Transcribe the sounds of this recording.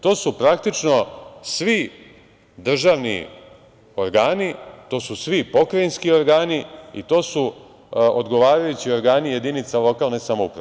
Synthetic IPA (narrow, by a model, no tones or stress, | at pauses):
t̪o̞ːsupɾak̚t̪it͡ʃno̞sʋi | d̪r̩ʒaːʋnḭ | o̞ɾɡaːnit̪o̞ːsusʋipo̞kɾajinskio̞ɾɡaːniit̪o̞ːsu | od̪ɡo̞ʋaːɾajut͡ɕio̞ɾɡaːnije̞d̪init̪salo̞kalˠnesamoupɾae